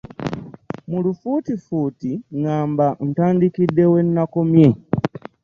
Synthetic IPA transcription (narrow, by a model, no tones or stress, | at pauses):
mulufutifuːtiŋaːmban̩taːndikidːe̞we̞nːako̞mje̞